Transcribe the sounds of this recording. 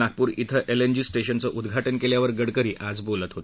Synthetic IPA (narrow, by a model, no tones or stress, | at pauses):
ak̚puːɾit̪ʰəʔelend͡ʑisʈeɕənt͡səʔud̪ɡʱaʈənkeljaʋəɾɡəɽkəɾiːʔad͡zbolət̪ɦot̪